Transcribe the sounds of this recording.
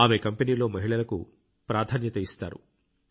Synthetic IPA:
aːme̞kɐmpeniːlo̞ːmɐɦiɭɐlɐkṵ | pɾaːd̪ʱaːnjɐt̪ɐist̪a̰ːɾṵ

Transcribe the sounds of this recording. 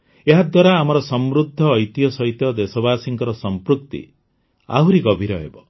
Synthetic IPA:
eɦad̪waɾaːmɔɾɔsɔmɾud̪ʱːɔːjt̪ijɔsɔjt̪ɔd̪esɔbaːsiŋkɔɾɔsɔmpɾuk̚t̪ḭ | a̰wɾiɡɔbʱiɾɔɦḛbɔ

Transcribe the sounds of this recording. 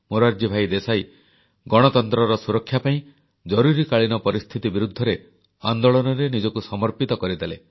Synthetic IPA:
moɾaɾd͡ʒibʱajd̪esaj | ɡɔɽ̃ɔt̪ɔnt̪ɾɔɾɔsuɾɔkʰːjapaĩ | d͡ʒɔɾuɾikaɭinɔpɔɾist̪ʰit̪ibiɾud̪ʱːɔɾe | and̪ɔɭɔnɔɾenid͡ʒɔkusɔmɔɾpit̪ɔkɔɾid̪ele

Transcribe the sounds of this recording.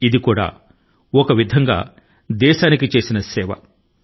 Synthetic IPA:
id̪ikuːɽa̰ː | ɔkɐʋid̪ʱɐŋɡa̰ː | d̪ɛːʃaːnikit͡ʃe̞ːsinɐsɛːʋɐ̰

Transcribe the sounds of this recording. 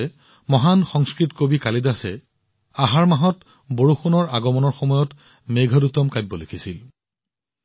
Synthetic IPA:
ɛ | mɔɦanxɔŋskɹitkobikalidasɛ | aɦaɹmaɦɔt | boɹuxunɔɹaɡɔmɔnɔɹxɔmɔjɔt | meɡʱɔdutɔmkajbːɔlekʰisil

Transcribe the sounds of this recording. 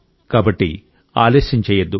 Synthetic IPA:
kaːbɐʈːi | a̰ːleːʃɐɲt͡ʃɛːjɐd̪ːu

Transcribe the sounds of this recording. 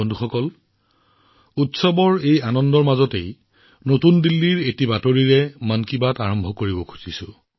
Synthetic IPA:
ɔndʱuxɔkɔl | utsɔbɔɹejanɔndɔɹmazɔtej | notundilːiɹetibatoɹiɹɛmankibataɹɔmbʱɔkoɹibɔkʰu̥sisʊ̃

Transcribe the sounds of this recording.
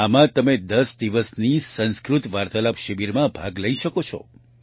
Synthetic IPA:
amãt̪əmed̪əsd̪iʋəsnisə̃nskɾut̪ʋaɾt̪əlapʃəbiɾmãbʱaɡləiʃəkot͡ʃʰɔ̰

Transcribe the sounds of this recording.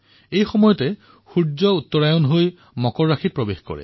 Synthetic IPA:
ejxɔmɔjɔtɛ | xuzɔutːɔɹajɔnɦoj | mɔkɔɹːaxʰit̚pɹɔbexkɔ̰ɹɛ̰

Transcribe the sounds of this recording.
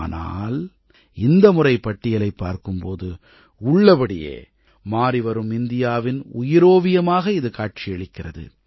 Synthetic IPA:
na̰ːl | ɪnd̪ɐmʊrɐɪpːɐʈːɪjɐlɐɪpːa̰ːɾkɯmpoːðɯ | ʊɭːɐpɐɽɪjḛː | maːɾɪʋɐɾɯmɪnd̪ɪjaːʋɪnʊjɪɾoːʋɪjɐmaːɣɐɪðɯkaːʈ̚t͡ʃɪjɛɭɪkːɪrɐðɯ̰

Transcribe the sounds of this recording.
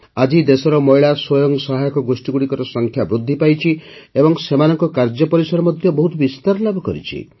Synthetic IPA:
ad͡ʒid̪esɔɾɔmɔjɭaswojɔŋsɔɦajɔkɔɡosʈiɡuɽikɔɾɔsɔŋkʰjabɾud̪ʱːipajt͡ʃʰiebɔŋsemanɔŋkɔkaɾd͡ʒɔpɔɾisɔɾɔmɔd̪ʱjɔbɔɦut̪ɔbist̪aɾlabʱɔkɔɾḭt͡ʃʰḭ

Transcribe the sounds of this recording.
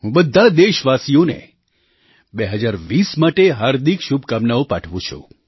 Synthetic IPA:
ɦũbəd̪ʱːad̪eʃʋasijõnḛ | beɦəd͡ʒaɾʋismaʈeɦaːɾd̪ʱikʃub̚ʱkamnaopaʈʰʋũt͡ʃʰṵ̃

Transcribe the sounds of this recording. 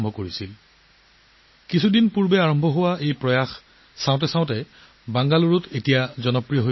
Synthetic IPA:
mbʱɔkoɹisil | kisʰudinpuɹbɛaɹɔmbʱɔɦʊwaʔejpɹɔjax | sãwʊ̃t̬ɛsãʊ̃tɛ | baŋɡaluɹutetijazɔnɔpɹijɔɦo

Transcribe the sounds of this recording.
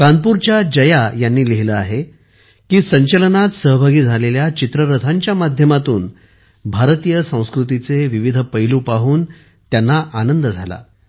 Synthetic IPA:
kanpuɾt͡ɕjad͡ʑəjajanːiːliɦiləaɦe | kiːsəɲt͡ɕələnat̪səɦəbʱaɡiːd͡zʱaleljat͡ɕit̪ɾəɾət̪ʰaɲt͡ɕjamad̪ʱjəmat̪uːn | bʱaɾt̪iːjəsə̃w̃skɾut̪̬it͡seʋiʋid̪ʱəpəjluːpaɦuːn | t̪janːaʔanənd̪əd͡zʱala̰

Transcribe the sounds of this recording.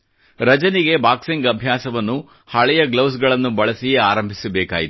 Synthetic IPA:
ɾɐd͡ʒɐniɡe̞baːkseŋɡɐbʱjaːsɐʋɐnːu | hɐɭɛjɐɡlɐwsɡɐɭɐnːubɐɭɐsijeaːɾɐmbʱisɐbɛːkaːjit̪u

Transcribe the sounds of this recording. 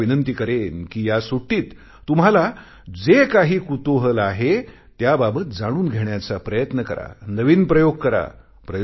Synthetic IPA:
inənt̪ikəɾenkiːjasuʈiːt̪ː | um̤ala | d͡zekaɦiːkut̪oɦəlaɦe | t̪jababət̪̚d͡zaɽ̃uːnɡʱeɳjat͡sapɾəjət̪nəkəɾa̰nəʋiːnpɾəjoɡ̚kəɾa̰ | pɾə

